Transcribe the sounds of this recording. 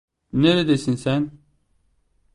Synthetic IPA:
neled̪esinsæn

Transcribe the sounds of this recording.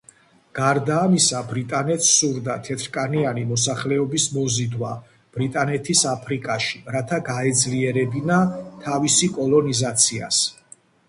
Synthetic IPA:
ɡ̥aɾd̪aːmisabɾit̪ʼanɛt̪ssuɾd̪at̪ʰɛt̪ʰɾkʼanianimɔs̬aχlɛɔbismɔzid̪wa | b̥ɾit̪ʼanɛt̪ʰisapʰɾikʼaʃiɾat̪ʰaɡaɛd̪zliɛɾɛbinat̪ʰavisikʼɔlˠɔnizat̪sʰia̰s

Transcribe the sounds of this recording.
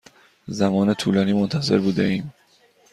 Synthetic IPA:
zæmɒːne̞t̪ʰṵːlɒːniːmont̪ʰæze̞̰ɾbuːd̪ḛʔiːm

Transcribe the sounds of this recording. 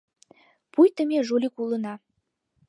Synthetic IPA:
pʰujt̪əmʲeʒolʲikulˠə̆nɑ

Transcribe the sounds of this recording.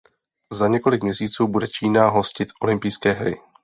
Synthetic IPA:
zaɲɛko̞lɪkmɲɛsiːt͡suːbudɛt͡ʃiːnaɦo̞scɪt̪ʔo̞lɪmpijskɛːɦɾɪ̰

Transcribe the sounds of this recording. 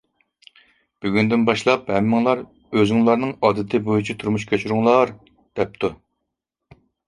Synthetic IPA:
b̥yɡʲynd̪ɪnbɑʃlˠɑphɛmːɪŋlˠɑɾ | øzɪŋlˠɑɾnɨŋɑːd̪ɪt̪ʰɪbojut͡ʃʰit̪ʰuɾmuʃkʲʰøt͡ʃʰyɾuŋlˠɑɾ | d̪̥ɛp̚t̪ʰu

